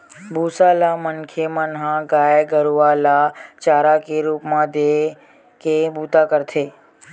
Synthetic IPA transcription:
bʱusalamənkʰemənɦãɡajɡəɾuʋalat͡ʃaːɾakeɾuːpmãd̪e | kebut̪akəɾt̪ʰeː

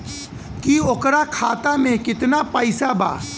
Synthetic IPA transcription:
kiokɾakʰaːt̪amẽkɪt̪napəjsaba̰ː

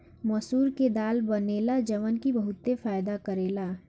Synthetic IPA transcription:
mɐsuːɾked̪aːlbɐneːlad͡ʒɐʋənkibɐɦʊt̪ːefaːjd̪akəɾeːlaː

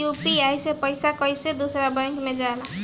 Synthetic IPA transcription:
upiajsepʌjsakʌjsed̪osʌɾabʌj̃ŋkmed͡zala

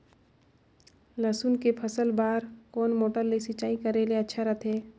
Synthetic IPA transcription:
ləsunkepʰɐsəlbaːɾkɔːnmoːʈəɾlesit͡ʃaːikɐɾeleɐtːʃʰaɾɐt̪ʰɦeː

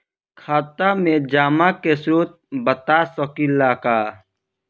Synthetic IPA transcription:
kʰaːt̪amẽd͡ʒaːmakesɾuːt̪̚bɐt̪asɔkilːaːkaː

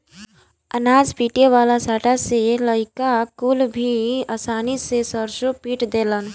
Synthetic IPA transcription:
ənaːd͡ʒpiːʈeʋaːlasaːʈaseləɪkakulbʱiasaːnisesəɾʃopiːʈd̪eːlən

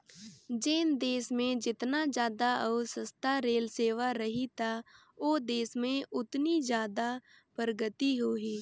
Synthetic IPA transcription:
d͡ʒeːnd̪eːsmẽd͡ʒɪt̪nad͡ʒjaːd̪aʔəːsəst̪ʰaɾeːlseːʋaɾɐɦit̪a | oːd̪eːsmẽʊt̪nid͡ʒjaːd̪a | pəɾəɡət̪iɦoːɦiː

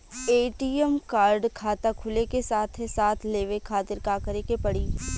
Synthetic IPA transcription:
eːʈiːɛmkaːɾɖkʰaːt̪akʰʊlekesaːt̪ʰɦɛsaːt̪ʰleːʋekʰaːt̪ɪɾkaːkəɾekepɐɽiː

